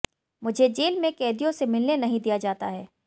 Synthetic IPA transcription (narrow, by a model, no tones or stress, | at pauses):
mʊd͡ʒʱed͡ʒeːlmẽkɛːd̪ijõsemɪlnenɐɦĩd̪ijad͡ʒaːt̪aɦɛː